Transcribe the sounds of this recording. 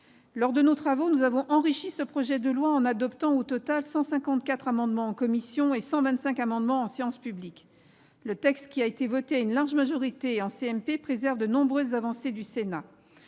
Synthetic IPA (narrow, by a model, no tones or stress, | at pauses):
lɔʁd̪ənot̪χavonuzavɔ̃ʔɑ̃ʁiʃisəpχɔʒɛd̪əlwaɑ̃nad̪ɔpt̪ɑ̃ot̪ɔt̪alsɑ̃sɛ̃kɑ̃t̪̚kʲat̪χamɑ̃d̪mɑ̃ɑ̃kɔmisjɔ̃esɑ̃vɛ̃t̪sɛ̃kamɑ̃d̪mɑ̃ɑ̃sjɑ̃spyblik | lət̪ɛkst̪kʲiaet̪evɔt̪eaynlaʁʒmaʒɔʁit̪eɑ̃seɛmpepχezɛʁvd̪ənɔ̃bʁøzːavɑ̃sed̪ysena